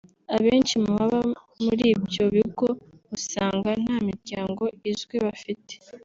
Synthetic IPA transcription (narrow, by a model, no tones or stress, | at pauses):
aβeːnt͡ʃimuβaβa | muɾiːbjo̞βiɡo̞ | usaːŋɡan̥haːmiɾɟaːŋɡo̞izɡweβafite̥